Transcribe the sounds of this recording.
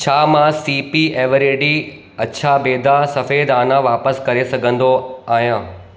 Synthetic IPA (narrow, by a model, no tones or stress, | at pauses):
t͡ɕʰaːmãsiːpieːʋəɾeːɖi | ɐtːɕʰabeːd̪asɐfeːd̪aːnãʋaːpəskɐɾesɐɡʱə̃n̆d̪oaːɦijãː